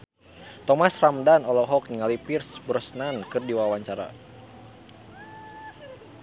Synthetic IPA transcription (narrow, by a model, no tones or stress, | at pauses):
t̪ɔmasramdanɔlɔɦɔk̚niŋalipirsbɾɔsnankɨrdiwawaɲt͡ʃaɾa̰